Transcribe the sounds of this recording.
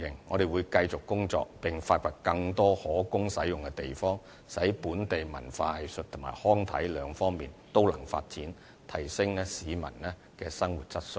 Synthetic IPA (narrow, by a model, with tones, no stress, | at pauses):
ɪ˨˩ŋːɔ̰ː˨˧ɾe˨jwuː˨˧jkɐ˧jt͡sʊ˨kkːʊ˥ŋt͡sɔ̰ː˧k̚pɪ˨˩ŋfaː˧t̚fɐ˨˩t̚kɐ˧ŋt̪ɔː˥hɔː˨˥kʊ˥ŋsɐ˨˥jjʊ˨ŋkɛ˧t̪e˨jfɔː˥ŋ | sɐ˨˥jpuː˨˥nt̪e˨jmɐ˨˩nfaː˧hɐ˨jsɵ˨t̚t̪ʰʊ˨˩maː˨˩jhɔː˥ŋt̪ʰɐ˨˥jlœː˨˧ŋfɔː˥ŋmiː˨˩nt̪o˥wlɐ̰˨˩ŋfa̰ː˧t̚t͡siː˨˥n | t̪ʰɐ˨˩jsɪ˥ŋlɛː˥siː˨˧mɐ̰˨˩nlɛː˥ | kɛː˧sɐ˥ŋwuː˨˩t̚t͡sɐ˥t̚sʊ˧˩